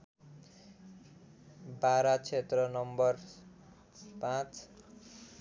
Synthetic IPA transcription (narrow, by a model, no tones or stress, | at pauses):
baɾat͡sʰet̪rʌnʌmbʌr | pãt͡s